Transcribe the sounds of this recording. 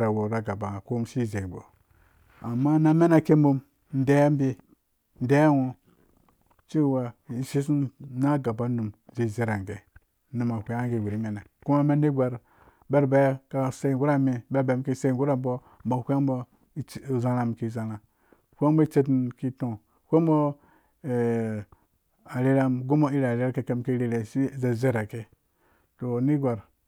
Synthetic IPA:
ɾa˨wo˨ɾa˨˦ɡa˨ba˨ko˦mʃi˦˨ze˨bo̰˨ | a˨mːa˦na˦me˦na˨ke˦mbu˦m | n̩˦de˦m˦bi˦ | n̩˦de˦jwo˨ | t͡ʃi˦˨wa˨˦ʃi˦s̬i˦na˦ɡa˨ba˦nu˨mzi˨˦˨ze˦ɾa˨ŋ˨ɡe˨ | nu˨ma˨hʷe˦a˦ŋɡi˦˨wi˨ɾi˦me˦na˨ku˦ma˦me˦ni˦ɡʷa˨ɾ | be˦ɾbe˦ka˨se˦˨ɡu˦ɾa˦mi˨be˦ɾba˨˦m˦ki˦se˦˨ɡu˦ɾa˦m˦bo˦ | m̩˦bo˨hʷa˦m˦bo˦˨ | za˦ɾa˨m˨ki˦za˨lã˨ | kʷmbo˦i˦t͡ʃe˦tki˦to˨ | kʷe˦m˦bo˦˨ | a˨ɾe˦ɾa˦mɡu˦mo˦i˦ɾɾe˦ɾa˦ke˦ke˦mki˦ɾe˦ɾe˨si˦˨ze˦˨ze˦ɾa˨ke˦ | to˨ni˦ɡʷa˨ɾ

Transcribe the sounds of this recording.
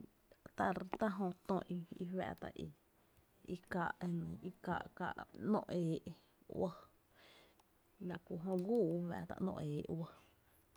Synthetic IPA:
t̪a˦˧ɾt̪a˦ɦõ˧t̪õ˧˨ʔi˧i˧wɛ̰ː˧˨t̪a̰˨ʔi˧ | i˦kaː˧˨ʔe˧nã˨i˦kaː˧˨ʔkaː˧˨ʔa˨nõ̰˦˧ʔeː˨ʔ | wa˦ | la˧kʷu˧˨ɦõ˧ɡuː˦˨˦wɛ̰ː˧˨t̪a̰˧ʔnõ̰˧ʔeː˨˦ʔwa˦

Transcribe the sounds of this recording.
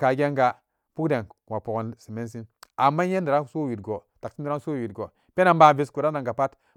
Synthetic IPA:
ka˨ɡʲe˦ŋɡa˨ | pu˦kde˨nwa˨po˨ko˨nsi˨me˦s̬i˦na˨mːa˦je˦ndi˨ɾa˦so˦wi˨tɡo˨ta˨ksi˦n˦di˨ɾa˦so˦˨wi˨tɡo˨ | pe˦na˨mba˦˨vi˦sku˨ɾa˦a˨ŋɡa˨pa˦t

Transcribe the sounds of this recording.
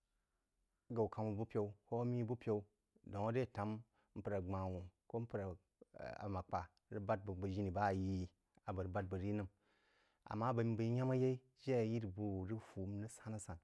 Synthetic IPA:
ɡa˨u˨ka˨mu˨bu˦pʲe˨u˦ko˦mi˦bu˦pʲe˦u˦ | do˨ŋo˦de˦˨ta˨˦m˦ | m̩˦pɨ˨ɾa˨ɡ͡ba˨wu˨ko˦m̩˦pɨ˨ɾa˨ | a̰˨ma˨k͡pa˨˦ɾi˦ba˦t̚bbə˨ʒi˦ni˨ba˦˨ji˦ | a˨bə˨ɾba˦t̚bə˨ɾi˦nɨ˦m | a̰˨mːa˦ba˨mi˦bə˨i˦ɲa˦ma˦je˦i˦ | d͡ʒe˦˨ji˦ɾbu˦˨ɾi˦fu˨˦m˦nɨ˦sa˦na˦sa˨n

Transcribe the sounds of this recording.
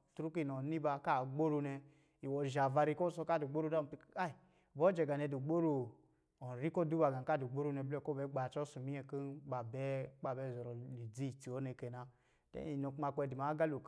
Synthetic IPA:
tu˦ɾu˦ki˦˨no˨ni˦ba˧ka˦˨ɡ͡bo˦ɾu˧ne˧ | i˨wo˧˨ʒa˨va˧ɾi˧ko˦so˧ka˦˨du˨ɡ͡bo˦ɾu˦da˦˨ti˧˨˦a˦i˨ | bo˦d͡ʒe˨ɡa˨ne˧du˨ɡ͡bo˦ɾu˧ | o˨ɾi˦ko˦du˦ba˨˧ɡa˨ka˦du˨ɡ͡bo˦ɾu˦ne˧be˦˨˦ko˦be˨˦ɡ͡ba˨t͡ʃo˦su˨mi˦e˧˦ki˦ba˨be˦k͡pa˨be˦˨zɔ˨ɾo˨li˨d͡zi˦˨ti˨o˦ne˨˧ke˨na˧ | tḛ˦i˨no˧kma˧ke˧˨di˨m˨a˨˦ɡa˦lu˨k

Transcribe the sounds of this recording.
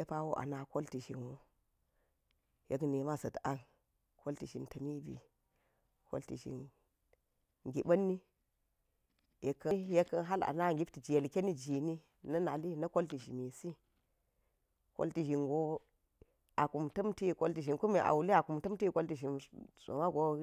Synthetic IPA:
e˦pa˦wo˦ʔa̰˨na˦ko˦lti˨ʃḭ˨nwo˦ | je˦kne˨ma˦sɐ˨ta˦n | ko˦lti˨ʃḭ˨ntɐ˨mi˦bḭ˨ | ko̰˦lti˨ʃḭ˨n | ɡi˨ɓɐ˦nːi˦ | je˨kːɐ˦je˦kːɐ˦nɦa˦la̰˨na˦˨ɡi˦pti˨d͡ʒi˨je˨lkʲe˦ni˦d͡ʒi˨ni˦ | nɐ˦na˨li˦nɐ˦ko˦lti˨ʃi˨mi˨si˦ | ko̰˦lti˨ʒi˨nɡo˦ | a˨ku˨mtɐ˦mti˦˨ko˦lti˨ʃi˨nku˦mi˨ʔa̰˨wu˨li˦a˨ku˨mtɐ˦mti˦ko˦lti˨ʃi˨nso̰˨ma˦ɡo˦

